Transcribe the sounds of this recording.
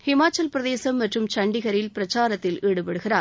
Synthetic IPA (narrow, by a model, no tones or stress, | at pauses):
hɪmaːt͡ʃːɐlpɪɾɐðeːsɐmːɐʈrɯmt͡ʃɐɳɖɪɣɐɾɪlpɪɾɐt͡ʃaːɾɐt̪ːɪlʔeːɽɯpɐɽɯɣɪɾaː